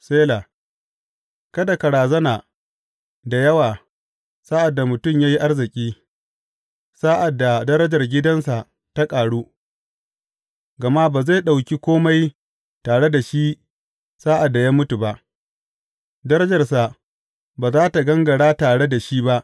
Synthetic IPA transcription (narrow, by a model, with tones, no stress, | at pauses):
seː˦la˨ | kɐ˦da˨kɐ˨ɽaː˨zɐ˦naː˨ | da˨jɐ˦waː˨ | saː˦ʔa˨dːa˨mʊ˨tʊ˦˨mjaː˦ji˦ʔa˦rzɪ˨kʲʼiː˦ | saː˦ʔa˨dːa˨dɐ˦ɾɐ˦d͡ʒɐ˨rɡʲɪ˦dɐ˦nsa˨ʔ | ta˦kʼaː˨ɽuː˦ | ɡɐ˨ma˦baː˨za˦˨ɗa˨wkʲi˦kʷoː˦ma˦j | taː˨ɽe˦da˨ʃi˦ | saː˦ʔa˨dːa˨jaː˦mʊ˦tu˨ba˦ʔ | dɐ˦ɾɐ˦d͡ʒɐ˨rsa˨ | baː˨zaː˦ta˨ɡɐ˦ŋɡɐ˨ɽaː˦taː˨ɽe˦da˨ʃiː˦ba˦ʔ